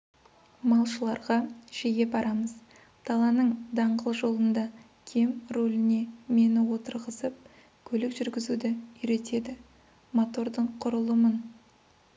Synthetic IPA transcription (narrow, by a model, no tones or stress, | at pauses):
mɑlˠʃəlˠɑɾʁɑʒ̥ejʲe̞pbɑɾɑməz̥ | d̪̥ʰɑlˠɑnəɴd̪ɑɴʁəlˠʒo̞lˠənd̪ɑ | kʲʰe̞mɾolɪne̞me̞nɪwo̞t̪əɾʁəzəp̚ | kʲʰɵlɪkʒʏɾɡʲɪzud̪ɪʏjɾe̞t̪e̞d̪ɪ | mo̞t̪o̞ɾd̪əɴqʰʊɾəlˠəmən